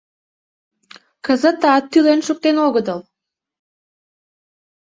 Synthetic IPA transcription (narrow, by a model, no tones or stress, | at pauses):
kəzət̪ɑt̪ːylenʃuk̚t̪enoɣəd̪əl